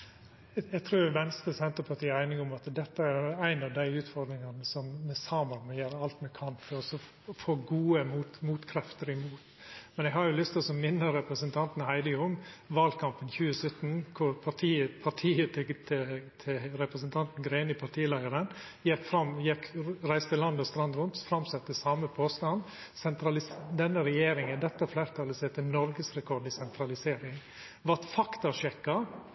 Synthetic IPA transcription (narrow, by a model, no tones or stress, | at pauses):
ɛɡt̪ʰɾuːɾʋɛnst̪əsɛnt̪ɾəpʰɑʈ̪iːəæɪnɪŋʊmɑt̪d̪ɛt̪ːəæɾjʊæɪnɑʋd̪æɪʉːt̪fɔɾd̪ɾɪŋɑnəsɔmːɛsɑːməɾmɛjøːɾəɑlt̪mɛkʰɑnfʰɔɾɔsɔ | foːɡuːəmuːt̪muːt̪kʰɾɛft̪əɾɪmuːt̪ | mɛnɛɡɦɑɾjʊlʏst̪ɔsɔmɪnːəɾɛpɾəsənt̪ʰɑnt̪nhæɪd̪əʊŋːʋɑlkʰɑmpənçʉːəsœt̪ːn̩kʰʊɾpʰɑt̪ʰiːəpʰɑʈʰiːət̪ʰt̪ʰt̪ʰɪɾɛpɾəsənt̪ʰɑnt̪n̩ɡɾeɪnɪpʰɑɾʈ̪ʰiːəlæɪəɾən | jɛkfɾɑmjɛkɾæɪst̪əlɑnd̪ɔst̪ɾɑnd̪ɾʊnt̪fɾɑmsɛt̪ːəsɑːməpʰoːst̪ɑnd̪ | sɛnt̪ʰɾɑlɪsd̪ɛnːəɾɛjeːɾɪŋənd̪ɛt̪ːəfleːɾt̪ʰɑlːəsɛt̪ʰɪlnɔɾɡəsɾɛkʰɔɖɪsɛnt̪ʰɾɑlɪseːɾɪŋ | ʋɑt̪fɑkt̪ɑʂɛkːɑ